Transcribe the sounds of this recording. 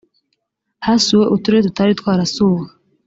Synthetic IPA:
hasiweʔutuɾeetutaɾit̪waːɾasuɡa

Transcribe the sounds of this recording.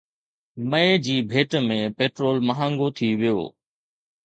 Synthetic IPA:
məed͡ʑiːbʱeːʈmẽpeːʈɾoːlmɐɦãːŋɡot̪ʰiʋɪjo̰ː

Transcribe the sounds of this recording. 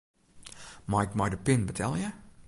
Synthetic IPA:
majkmajdəpɪnbətʰɛlˠjə

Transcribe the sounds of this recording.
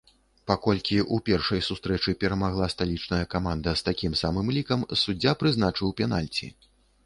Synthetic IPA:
pakɔlʲkʲiʔupʲɛrʂɐjsust̪ɾɛt͡ʂɨpʲɛɾɐmaɣlˠast̪alʲit͡ʂnɐjɐkamand̪ɐst̪akʲimsamɨmlʲikɐmsud͡zʲːapɾɨznat͡ʂɨwpʲɛnalʲt͡sʲḭ

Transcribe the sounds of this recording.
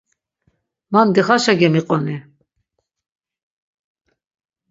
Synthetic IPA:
mand̪iχaʃaɡɛmiqʼɔni

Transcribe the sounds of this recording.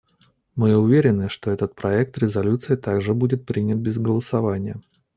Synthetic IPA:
mɨʊvʲeɾʲɪnːɨʂt̪oɛt̪ət̪̚pɾɐɛk̚t̪ɾʲɪzɐlʲut̪sɨɪt̪aɡʐɨbudʲɪt̪̚pɾʲinʲɪt̪̚bʲɪzɡəlˠəsɐvanʲɪjə

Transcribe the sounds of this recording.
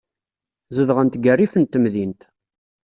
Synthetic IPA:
zəðʁənt̪ɡərːifənt̪ːəmðint̪

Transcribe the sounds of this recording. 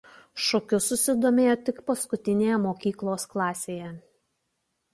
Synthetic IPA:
ʃɔkʲʊsʊsʲɪd̪oːmʲeːjoːt̪ʲɪkpɐskʊt̪ʲɪnʲeːjɛmoːkʲiːklˠoːsklˠɑːsʲeːjɛ

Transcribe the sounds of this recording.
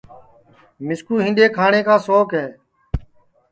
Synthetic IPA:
mɪskuːɦɪ̃nɗ̪eːkʰaːɳeːkʰãːsoːkɦɛː

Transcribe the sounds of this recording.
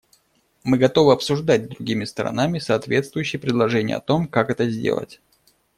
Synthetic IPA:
mɨɡɐt̪o̞vɨɐpsʊʐd̪at̚ʲd̪ɾʊɡʲimʲɪst̪ɾɐ̰namʲɪsɐːt̪vʲe̞t̪st̪vʊjʏɕːɪjpɾʲɪd̪lˠɐʐɛnʲɪjə̰ɐ̰t̪o̞mkakɛt̪əzʲdʲḛlˠə̰tʲ

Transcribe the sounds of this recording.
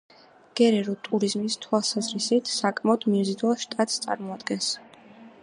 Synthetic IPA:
ɡ̥ɛɾɛɾut̪ʼuɾizmist̪ʰwalˠsazɾisit̪ʰsakʼmaɔd̪̥mizid̪ulˠʃt̪ʼat̪ʼst̪sʼa̰ɾmɔad̪ɡɛns

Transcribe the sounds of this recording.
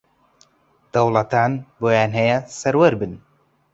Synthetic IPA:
d̪̥ɐwlˠɐt̪aːnboːjaːnɦɐjɐsɐɾwɐɾbɨn

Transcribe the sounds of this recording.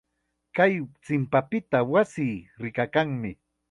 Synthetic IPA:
kajt͡sɪmpapɪt̪awasiːɾɪkakaŋmɪ

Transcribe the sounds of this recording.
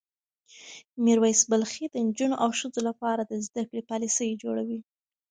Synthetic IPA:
miɾwajsbalxid̪ənd͡ʒunoʔawʃəzolapɑɾad̪əzd̪akɽepɑlisəjd͡ʒoɽawi

